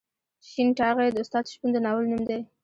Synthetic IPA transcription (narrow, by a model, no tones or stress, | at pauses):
ʃinʈɑɣed̪əʊst̪ɑd̪ʃpund̪ənɑwəlnumd̪e